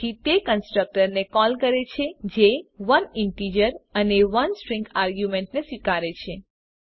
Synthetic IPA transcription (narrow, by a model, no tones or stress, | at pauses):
it̪ekənsʈɾək̚ʈəɾnekɔlkəɾet͡ʃʰed͡ʒeʋənɪɳʈid͡ʒəɾəneʋənsʈɾĩŋɡaɾɡjumẽɳʈnesʋikaɾet͡ʃʰe